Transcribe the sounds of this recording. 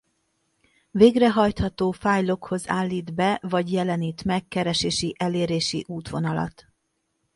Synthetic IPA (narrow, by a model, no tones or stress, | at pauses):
veːɡrɛɦɒjt̪hɒt̪oːfaːjlo̞kho̞zaːlːiːd̪bɛvɒɟjɛlɛniːt̪mɛkːɛɾɛʃeːʃiʔɛleːɾeːʃḭʔuːt̪ʋo̞nɒlɒ̰t̪